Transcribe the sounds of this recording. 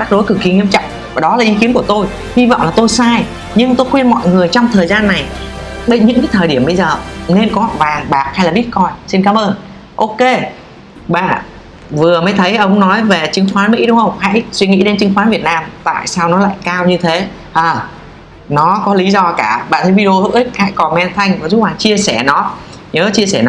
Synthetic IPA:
t͡ɕa˦˥k̚ɗo˨˦jkɨ˨˩ki˨˩ŋḭ˧˥əmt͡ɕɔ̰˧˨wŋ͡m | vaː˨˩ɗɔ˨˦laː˨˩ʔi˨˦ki˨˦nku˧˩ət̪o˧j | hi˧vɔ̰˧˨wŋ͡mlaː˨˩t̪o˧jsaː˧j | ɲɨ˧ŋt̪o˧jxwɛ˧nmɔ̰˧˨jŋɨ˨˩əjt͡ɕɔ˧wŋ͡mt̪ʰəː˨˩jzaː˧nːa˨˩jɓe˧ɲɨ̰˧˥ŋkaː˨˦jt̪ʰəː˨˩jɗi˧˩əmɓə˧jzəː˨˩ne˧nkɔ˨˦˨vaː˨˩ŋɓaː˨˩k̚ha˧jlaː˨˩ɓi˦˥ət̚kɔ˧jsi˧nkaː˨˦mʔəː˧n | ʔo˧ke˧ | ɓa̰ː˧˨ | vɨ˨˩əməː˨˦jt̪ʰə˨˦jʔə˧wŋ͡mnɔ˨˦jve˨˩t͡ɕɨ˨˦ŋxwaː˨˦nmḭ˧˥ɗʊ˨˦ŋ͡mxə˧wŋ͡mha̰˧˥jswi˧ŋḭ˧˥ɗe˨˦nt͡ɕɨ˨˦ŋxwaː˨˦nvi˨˩ət̚naː˧mt̪a̰ː˧˨jsaː˧wnɔ˨˦la̰ː˧˨jkaː˧wɲɨ˧t̪ʰe˨˦ | ʔaː˨˩ | nɔ˨˦kɔ˨˦li˨˦zɔ˧kaː˧˩ɓa̰ː˧˨nt̪ʰə˨˦jvi˧o˧hɨ̰˧˥ə˦˥k̚ha̰˧˥jkɔ˨˩mɛ˧nt̪ʰa˧jŋ̟vaː˨˩zu˦˥t̚ɓaː˨˩t͡ɕi˧əsɛ˧˩nɔ˨˦ | ɲəː˨˦t͡ɕi˧əsɛ˧˩nɔ˨˦

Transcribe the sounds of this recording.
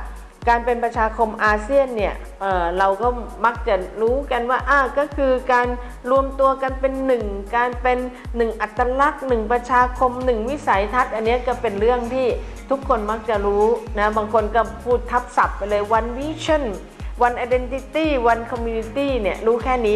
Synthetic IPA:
kaː˧npe˧npɾa˧t͡ɕʰaː˧kʰo˧mʔaː˧si˥˩ənːi˥˩ɐ | ʔɤː˨˩ɾa˧wkɔː˥˩ma˦˥k̚t͡ɕa˨˩ɾuː˦˥ka˧nwaː˥˩ʔaː˧˩kɔː˥˩kʰɯː˧kaː˧n | ɾu˧əmt̪u˧ɐka˧npe˧nːɯ˨˩ŋkaː˧npe˧nː | ɯ˨˩ŋʔa˨˩t̪ːa˧la˦˥˩k̚nɯ˨˩ŋpɾa˧t͡ɕʰaː˧kʰo˧mnɯ˨˩ŋwi˦˥sa˨˩˦jt̪ʰa˦˥t̪̚ʔa˧nːi˦˥ɐkɔː˥˩pe˧nɾɯ˥˩əŋt̪ʰiː˥˩ | t̪ʰu˦˥kʰːo˧nma˦˥k̚t͡ɕa˨˩ɾuː˦˥na˦˥baː˧ŋkʰo˧nkɔː˥˩pʰuː˥˩t̪ʰːa˦˥p̚sa˨˩pːa˧jlɤː˧jwa˧nwi˦˥˨t͡ɕʰa˥˩n | wa˧nʔaː˧jde˧nt̪i˧˥t̪iː˥˩wa˧nkʰɔ˧mjuː˧ni˧˥t̪iː˥˩ni˥˩əɾuː˦˥kʰɛː˥˩niː˦˥

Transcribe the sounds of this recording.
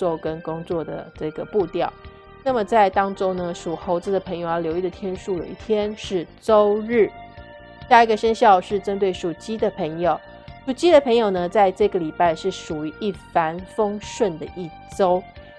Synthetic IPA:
t͡swo˥˧˩ʊkə˥nkʊ˥ŋt͡swɔ˥˩d̪ə̰˩ʈ͡ʂɤ˥˩ɡə˩pu˥˧t̪jɑ˥˩ʊ | na˥˩mə˩t͡sa˥˩ɪt̪ɑ˥ŋʈ͡ʂʊ˥ŋnə˧ʂu˨˩xo˧˥ʊt͡sɹ̩˧˩d̪ə˩pʰə˧˥ŋjʊjljo˧˥ʊi˥˩d̪ə˩t̪ʰjɛ˥nʂu˥˩lə̰˨˩i˥˩t̪ʰjɛ˥nʂɻ̩˥˩ʈ͡ʂo˥ʊɻ̩˥˩ | i˥˩˧ɡə˩ʂə˥nɕjɑ˥˧ʊʂɻ̩˥˩ʈ͡ʂə˥nt̪we˥˩ɪʂu˨˩t͡ɕi˥d̪ə˨pʰə˧˥ŋjo˨˩˦ʊ | ʂu˨˩t͡ɕi˥d̪ə˨pʰɤ˧˥ŋjo˨˩ʊnə˦t͡sa˥˧ɪʈ͡ʂɤ˥˩ɡə˩li˨˩pa˥˧ɪʂɻ̩˥˩ʂu˨˩y˧˥ʔi˥˩fa˧˥nfɤ˥ŋʂwə˥˩nd̪ə˩ʔi˥˩ | ʈ͡ʂo˥ʊ

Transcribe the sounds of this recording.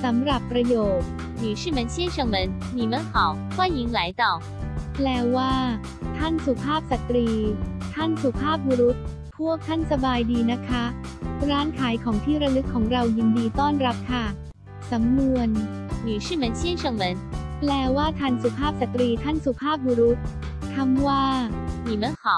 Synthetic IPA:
sa˩˦mɾa˨˩pːɾa˧joː˨˩t̪̚ | nyː˨˩ʂɯ˥˩mə˨˧˦nɕɛ˥nʂɤ˧ŋmə˨˦n | ni˨˩mə˨˧˥nxa˨˦w | kʰwaː˥˩ji˨˦ŋla˨˦jt̪ɔ˨˩ | plɛː˧waː˥˩ | t̪ʰa˥˩nsu˨˩pʰaː˥˩p̚sa˨˩t̪ɾiː˧t̪ʰa˥˩nsu˨˩pʰaː˥˩p̚wu˧ɾu˦˥t̪̚ | pʰu˥˩ək̚t̪ʰa˥˩nsa˧baː˧jdiː˧na˦˥kʰa˦˥ | ɾaː˦˥nkʰaː˩˦jkʰɔː˩˦ŋt̪ʰiː˥˩ɾa˧nɯ˦˥kʰːɔː˩˦ŋɾa˧wji˧ndiː˧t̪ɔː˥˩nɾa˦˥p̚kʰa˥˩ | sa˩˦mnu˧ən | nyː˨˩ʂɯː˥˩mə˨˧˥nɕi˥˩nʂɤ˧˩ŋmə˨˧˦nplɛː˧waː˥˩t̪ʰa˧nsu˨˩pʰaː˥˩p̚sa˨˩t̪ɾiː˧t̪ʰa˥˩nsu˨˩pʰaː˥˩p̚wuː˧ɾu˦˥t̪̚ | k̪ʰa˧˥mwaː˥˩ni˨˩mə˧˦nxa˨˩˦

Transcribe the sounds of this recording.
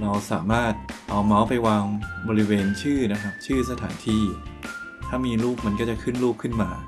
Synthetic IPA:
ɾa˧wsa̰ː˩˦maː˥˩t̪̚ʔa˧wma˦˥wpa˧jwaː˧ŋbɔː˧ɾi˦˥weː˧nt͡ɕʰɯː˥˩na˦˥kʰa˦˥p̚t͡ɕʰɯː˥˩s̬a˧t̪ʰaː˩˦nt̪ʰiː˥˩ | t̪ʰaː˥˩miː˧luː˥˩p̚ma˧nkɔː˥˩t͡ɕa˨˩kʰɯ˥˩nɾuː˥˩p̚kʰɯ˥˩nmaː˧

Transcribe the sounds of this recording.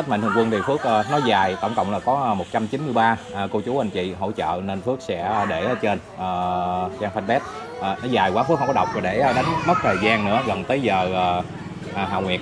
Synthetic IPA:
t̚ma̰˧˨n̟ɨ˧˩əŋkwə˧nt̪ʰi˨˩fɨ˦˥ək̚ʔə˨nɔ˨˦zaː˨˩jt̪ə˧˩wŋ͡mkə̰˧˨wŋ͡mlaː˨˩kɔ˨˦˨mo˨˩t̚t͡ɕa˧mt͡ɕi˨˦nmɨ˧əjɓaː˧ʔːko˧t͡ɕu˨˦ʔa˧˩ŋ̟t͡ɕḭ˧˨ɦo̰˧˨t͡ɕə̰ː˧˨ne˧nfɨ˦˥ək̚sɛ̰˧˥˧ɗe˧˩˨t͡ɕe˧n | ʔəː˨˩zaː˧ŋfa˧nɓɛ˦˥t̚ | ʔəː˨˩nɔ˨˦zaː˨˩jkwaː˨˦fɨ˦˥k̚kɔ˦ɗə˨˩wk͡p̚aː˨˩ɗe˧˩˧ɗa˨˦jŋ̟mə˦˥t̚t̪ʰəː˨˩jzaː˧nnɨ̰˧˥əɣə˨˩nt̪əː˨˦jzəː˨˩ʔəː˨˩ | ʔːɦa̰ː˧˨wŋwi˨˩ət̚

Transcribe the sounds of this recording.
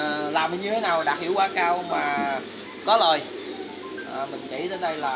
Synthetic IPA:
laː˨˩m˨˩ɲɨ˧t̪ʰe˨˦naː˨˩wɗaː˨˩hḭ˧˥əwkwaː˧kaː˧wmaː˨˩ | kɔ˨˦ləː˨˩j | ʔəː˨˩mï˨˩ŋ̟t͡ɕḭ˧˩t̪əː˧˦nɗə˧jlaː˨˩

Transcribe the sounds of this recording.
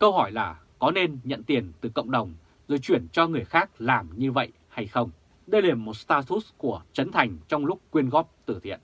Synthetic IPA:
kə˧whɔ˧˩jlaː˨˩ | kɔ˨˦ne˧nɲə̰˧˨nt̪i˨˩ənt̪ɨ˨˩kə̰˧˨wŋ͡mɗə˨˩wŋ͡m | zo˨˩jt͡ɕwi˧˩ənt͡ɕɔ˧ŋɨ˨˩əjxaː˦˥k̚laː˨˩mɲɨ˧və̰˧˨j | ha˧jxə˧wŋ͡m | ɗə˧jla˨˩mːo˨˩t̚st̪aː˧t̪u˦˥sku˧˩ət͡ɕə˨˦nt̪ʰa˨˩jŋ̟t͡ɕɔ˧wŋ͡mlʊ˦˥k͡p̚ːwi˧ənɣɔ˦˥p̚t̪ɨ˧˩t̪ʰḭ˧˨ən

